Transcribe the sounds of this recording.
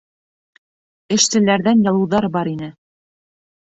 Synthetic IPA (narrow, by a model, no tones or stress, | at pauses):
ɘ̆ʃsɘ̆læɾðænjɑlˠɤ̆wðɑɾbɑɾinɘ